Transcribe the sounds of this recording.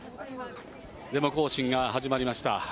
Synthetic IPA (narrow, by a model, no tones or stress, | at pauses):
d̪e̞mo̞ko̞ːɕĩŋɡaɦaʑimaɾʲimaɕi̥t̪a̰